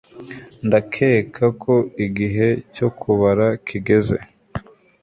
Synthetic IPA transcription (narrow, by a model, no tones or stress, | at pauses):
ndakʰe̞ːkʰakʰo̞iɡiɦe̞co̞kʰuβaɾakʰiɡe̞ze̞̰